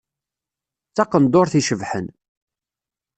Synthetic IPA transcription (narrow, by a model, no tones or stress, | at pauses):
t͡sːɑqənd̪oɾθiʃəvħə̰n